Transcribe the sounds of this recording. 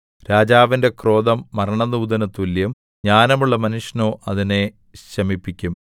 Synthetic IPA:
ɾaːd͡ʑaːʋinde̞kro̞ːd̪ɐmːɐɾɐɳɐnːuːd̪ɐnɐt̪ːuljɐm | ɲaːnɐmuɭːɐmɐnuʂɐno̞ːʔɐðine | ɕɐmipːikʲːum

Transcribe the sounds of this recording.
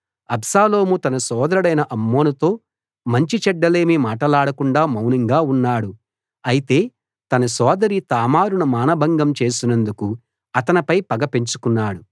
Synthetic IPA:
ɐbsaːlo̞ːmut̪ɐnɐsɔːd̪ɐɾɐɽɐjnɐʔɐmːo̞ːnɐt̪o̞ː | mɐɲt͡ʃit͡ʃɛɖːɐle̞ːmimaːʈɐlaːɽɐkuɳɖaːmɐwniŋɡaːunːaːɽu | ɐjit̪e̞ː | t̪ɐnɐsɔːd̪ɐɾit̪aːmaːɾunɐmaːnɐbʱɐŋɡɐmt͡ʃe̞ːsinɐnd̪uku | ɐt̪ɐnɐpɐjpɐɡɐpeɲt͡ʃu̥kunːaːɽu

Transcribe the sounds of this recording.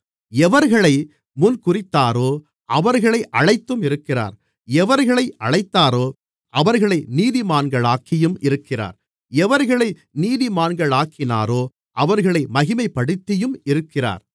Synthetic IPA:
ɛʋɐɾɣɐɭɐɪ | mʊnkʊrɪt̪ːaːɾoː | ʔɐʋɐɾɣɐɭɐɪʔɐɻɐɪt̪ːɯmɪɾɯkːɪra̰ːɾ | ɛʋɐɾɣɐɭɐɪʔɐɭɐɪt̪ːaːɾoː | ɐʋɐɾɣɐɭɐɪniːðɪmaːnɡɐɭaːkːɪjɯmɪɾɯkːɪra̰ːɾ | ɛʋɐɾɣɐɭɐɪ | niːðɪmaːnɡɐɭaːkʰːɪna̰ːɾoː | ʔɐʋɐɾɣɐɭɐɪmɐɣɪmɐɪpːɐɽɯt̪ːɪjɯmɪɾɯkːɪra̰ːɾ

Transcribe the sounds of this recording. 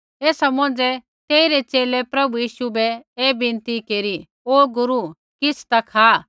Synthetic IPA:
eːsɐmõːnd͡zɛ | t̪eːiɾet͡ʃeːlɛpɾɐbujiːʃubɛeːbɪ̃nt̪ikeːɾi | oːɡʊɾu | kɪsʰt̪ɐkʰaː

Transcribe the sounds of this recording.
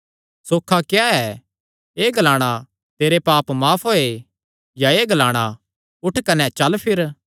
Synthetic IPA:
soːkʰakjaɛ | eːɡʱɐlaːɽ̃a | t̪eːɾepaːpmaːpʰɦoːe | jaeːɡʱɐlaːɽ̃a | ʊʈʰkɐnɛt͡ʃɐlpʰɪɾ

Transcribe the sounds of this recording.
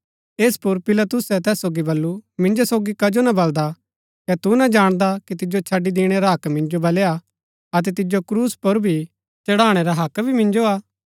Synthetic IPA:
eːspʊɾpɪlɐt̪ʊsɛt̪ɛːsːoːɡibɐlːumɪ̃nd͡ʒosoːɡikɐd͡ʒonɐbɐld̪a | kɛt̪unɐd͡ʒaːɽ̃d̪akit̪ɪd͡ʒot͡ʃʰɐɖːid̪iːɽ̃ɛɾaɦɐkmɪ̃nd͡ʒobɐleːa | ɐt̪̬ɛt̪ɪd͡ʒokɾuːspʊɾbʱi | t͡ʃɐɽaːɽ̃ɛɾaɦɐkbʱimɪ̃nd͡ʒoaː

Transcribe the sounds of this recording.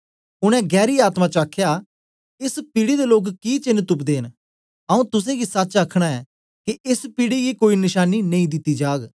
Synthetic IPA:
ʊɽ̃ɛ̃ɡɛːɾiaːt̪mat͡ʃəaːkʰːjaː | ɪspiɽid̪eloːkkit͡ʃɪnt̪ʊpd̪eːn | ɐũt̪ʊs̬ẽɡisɐt͡ʃɐkʰɽ̃aɛː | kiʔɪspiɽiɡikoːinɪʃaːninẽĩd̪ɪt̪ːid͡ʒaːɡ

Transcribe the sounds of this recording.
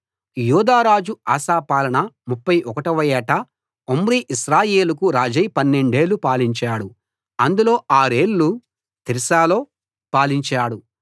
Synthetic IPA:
juːd̪aːɾaːd͡ʒua̰ːsaːpaːlɐɳɐmupːɐjʔɔkɐʈɐʋɐjɛːʈɐ | omɾiʔiʃɾaːje̞ːlukuɾaːd͡ʒɐjpɐnːeɳɖe̞ːlːupaːliɲt͡ʃaːɽu | ɐnd̪ulo̞ːʔaːɾe̞ːlːu | t̪iɾisaːloː | paːliɲt͡ʃaːɽu

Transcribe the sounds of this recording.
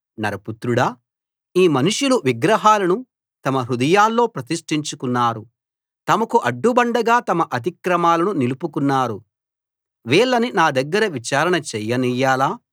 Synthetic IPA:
nɐɾɐput̪ɾuɽɐ | iːmɐnuʂuluʋiɡɾɐɦaːlɐnu | t̪ɐmɐɾud̪ɐjaːlːo̞ːpɾɐt̪iʂʈiɲt͡ʃukunːaːɾu | t̪ɐmɐkuʔɐɖːubɐɳɖɐɡaːt̪ɐmɐʔɐt̪̬ikɾɐmaːlɐnunilupukunːaːɾu | ʋɛːɭːɐninaːd̪ɐɡːɐɾɐʋit͡ʃaːɾɐɳɐt͡ʃɛjːɐnijaːlaː

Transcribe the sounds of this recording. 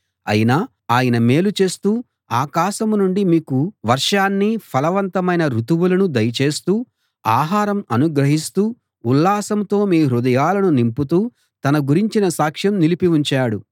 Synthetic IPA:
ɐ̰jinaː | aːjɐnɐme̞ːlut͡ʃe̞ːst̪uː | aːkaːʃɐmnuɳɖimiːkuʋɐɾʂaːnːipʰɐlɐʋɐnt̪ɐmɐjnɐɾut̪uʋulɐnud̪ɐjɐt͡ʃe̞ːst̪uː | aːɦaːɾɐmɐnuɡɾɐɦist̪uː | ulːaːsɐmt̪o̞ːmiːɾud̪ɐjaːlɐnunimput̪̬uː | t̪ɐnɐɡuɾiɲt͡ʃinɐsaːkʂjɐmnilipiuɲt͡ʃaːɽu

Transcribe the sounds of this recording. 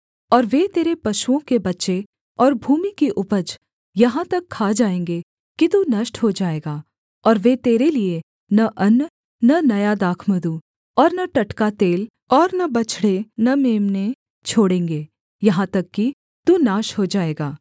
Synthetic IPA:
ɔːɾʋet̪eːɾepɐʃuõkebɐtːʃe | ɔːɾbʱuːmikiʔʊpəd͡ʒ | jɐɦãt̪ɐkʰːaːd͡ʒaːẽːŋɡe | kit̪unɐʃʈɦod͡ʒaːeːɡaː | ɔːɾʋet̪eːɾelie | nɐʔɐnː | nɐnɐjad̪aːkʰməd̪u | ɔːɾnɐʈɐʈkat̪eːl | ɔːɾnɐbɐt͡ʃʰɽenɐmeːmne | t͡ʃʰoːɽẽːŋɡe | jɐɦãt̪ɐkːi | t̪unaːʃɦod͡ʒaːeːɡaː

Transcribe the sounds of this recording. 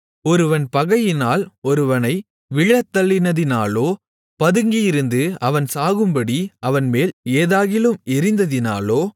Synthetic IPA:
ɔɾɯʋɐnpɐɣɐjɪnaːlɔɾɯʋɐnɐɪ | ʋɪɭːɐt̪ːɐɭːɪnɐðɪnaːloː | pɐðɯŋɡɪjɪɾɯnd̪ɯɐʋɐnsaːɣɯmbɐɽiɐʋɐnmeːleːðaːɣɪlɯmɪɾɪnd̪ɐðɪna̰ːloː

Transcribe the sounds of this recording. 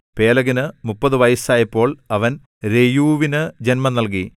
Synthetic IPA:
pe̞ːlɐɣinɨmupːɐðɨʋɐjɐsaːjɐpːo̞ːɭɐʋɐn | ɾe̞juːʋinɨd͡ʑenmɐnːɐlk̬i

